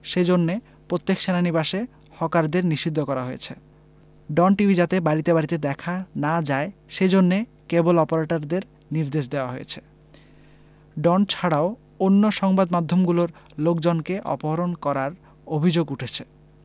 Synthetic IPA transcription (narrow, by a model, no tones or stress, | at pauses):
ʃed͡ʑonːe | pɾot̪ːekʃenanibaʃe | hɔkaɾd̪eɾniʃid̪ʱːokɔɾaɦojḛt͡ɕʰe | ɖɔnʈibʱid͡ʑat̪ebaɾit̪ebaɾit̪ed̪ɛkʰanad͡ʑaeʃed͡ʑonːe | kebolɔpoɾaʈaɾd̪eɾ | niɾd̪eʃd̪eoaɦojet͡ɕʰe̥ | ɖɔnt͡ɕʰaɽao | onːoʃɔŋbad̪mad̪ʱːomɡuloɾlokd͡ʑonkeʔɔ̰poɦoɾonkɔɾaɾ | obʱid͡ʑoɡuʈʰet͡ɕʰe